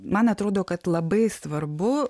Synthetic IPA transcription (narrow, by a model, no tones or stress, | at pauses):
mɐnɐt̪ɾoːd̪oːkɐt̪lˠɐbɐɪsʋɐɾbʊ